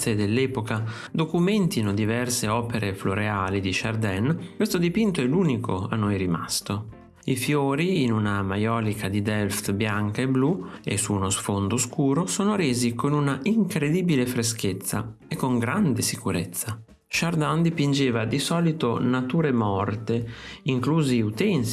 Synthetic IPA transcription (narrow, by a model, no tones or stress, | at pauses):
ed̪elːɛːpoka | d̪okumɛnt̪inod̪ivɛrseɔːpeɾefloɾeaːlid̪iʃa̰rd̪ɛnkwest̪od̪ipint̪oɛluːnikʰoa̰nːojɾima̰st̪o | ifjoːɾiːnunamajɔːlikʰad̪id̪ɛlft̪bjaŋkaebluḛsuːnosfond̪oskuːɾosoːnoɾeːzikonunaʔiŋkɾed̪iːbilefɾesk̟et̪sːa̰ekːoŋɡɾand̪esikuɾet̪sːa | ʃard̪and̪ipind͡ʒeːvad̪isɔːlit̪onat̪uːɾemɔrt̪eiŋkluːziut̪ɛns